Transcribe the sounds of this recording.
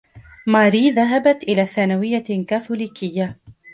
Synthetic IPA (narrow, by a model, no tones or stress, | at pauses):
maːɾiːðaɦabat̪ʔɪlaːθaːnawɪjːakaːθuliːkɪjːa